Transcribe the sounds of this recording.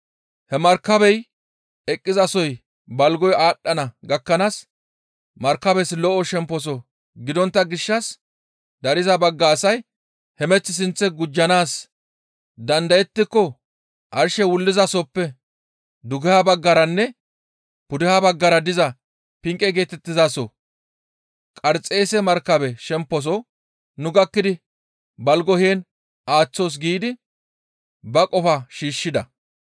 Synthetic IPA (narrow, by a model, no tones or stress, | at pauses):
hɛmɐɾkːɐbɛj | ɛkʼːɪzɐsɔj | bɐlɡɔjaːɗːɐnɐɡɐkːɐnaːs | mɐɾkːɐbɛslɔʔɔʃɛmpːɔs̬ɔ | ɡɪd̪ɔnt̪ːɐɡɪʃːɐs | d̪ɐɾɪzɐbɐɡːaːsɐj | hɛmɛt͡sːɪs̬ɪnt͡sːɛɡʊd͡ʒːɐnaːs | d̪ɐnd̪ɐjɛt̪ːɪkːɔ | ʔɐɾʃɛwʊlːɪzɐsɔpːɛ | d̪ʊɡɛhabɐɡːɐɾɐnːɛ | pʊd̪ɪhabɐɡːɐɾɐd̪ɪzɐ | pɪŋkʼɛɡe̞ːt̪ɛt̪ːɪzasɔ | kʼɐɾt͡sʼe̞ːsɛmɐɾkːɐbɛʃɛmpːɔs̬ɔ | nʊɡɐkːɪd̪ɪ | bɐlɡɔheːn | ʔaːt͡sːoːs̬ɡiːd̪ɪ | bɐkʼɔfɐʃiːʃːɪd̪ɐ